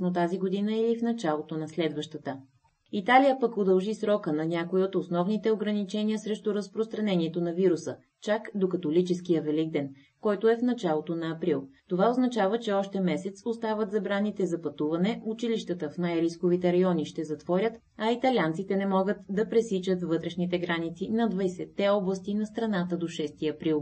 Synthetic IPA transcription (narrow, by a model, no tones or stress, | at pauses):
not̪̬aziɡod̪inəilifnɐt͡ʃalˠot̪onɐslɛd̪vəʃt̪ət̪ə | it̪alijəpəkod̪ɐlˠʒisɾɔkənɐnʲakoiot̪osnɔvnit̪ɛoɡɾɐnit͡ʃɛniəsɾɛʃt̪ʊɾəspɾost̪ɾɐnɛniɛt̪onɐviɾusə | t͡ʃakd̪okɐt̪olit͡ʃɛsk̟ijəvɛliɡ̚d̪ɛn | kɔjt̪oɛfnɐt͡ʃalˠot̪onɐːpɾilˠt̪ovaoznɐt͡ʃavət͡ʃɛɔʃt̪ɛmɛsɛt̪sost̪avət̪zɐbɾanit̪ɛzɐpɐt̪uvɐnɛʔut͡ʃiliʃt̪ət̪əfnajɾiskovit̪ɛɾɐjɔnʲiʃt̪ɛzɐt̪vɔɾʲət̪ | ɐit̪ɐlʲjant̪sit̪ɛnɛmɔɡət̪d̪ɐpɾɛsit͡ʃət̪vvɤt̪ɾɛʃnit̪ɛɡɾanit̪sinɐd̪vɐjsɛt̪ːɛɔblˠɐst̪inɐst̪ɾɐnat̪əd̪oʃɛst̪iɐpɾilˠ